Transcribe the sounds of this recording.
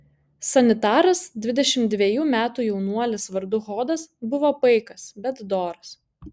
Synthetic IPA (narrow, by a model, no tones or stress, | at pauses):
sɐnʲɪt̪ɑːɾɐsd̪ʲʋʲɪd̪ʲɛʃʲɪmt̪̚d̪ʲʋʲeɛjuːmʲæːt̪uːjɛʊnuɔlʲɪsʋɐɾd̪ʊɣoːd̪ɐsbʊʋoːpɐɪkɐsbʲɛt̪d̪oːɾɐs